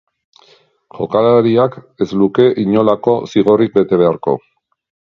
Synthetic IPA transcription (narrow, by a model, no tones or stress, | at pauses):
ʝo̞̰kalaɾiake̞zluke̞ʔiɲo̞lako̞siɣ̞o̞rik̚be̞t̪e̞βe̞aɾko̞̰